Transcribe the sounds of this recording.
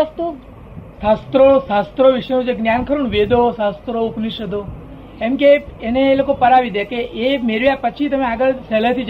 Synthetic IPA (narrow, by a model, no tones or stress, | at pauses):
ast̪ũ | sast̪ɾosast̪ɾoʋiʃənũd͡ʒeɡnjankʰəɾuɳ̃ʋed̪osast̪ɾoukniʃəd̪o | emkeːneːlokopəɾaʋid̪akeʔemeɾʋjapət͡ʃʰit̪əmẽaɡəɭsɛlət̪ʰid͡ʒ